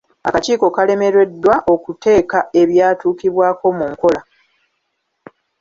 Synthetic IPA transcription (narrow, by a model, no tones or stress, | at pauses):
a̰kaciːko̞kale̞me̞ɾe̞dːwaʔo̞kute̞ːkae̞βjaːtuːkiβwaːko̞muŋko̞la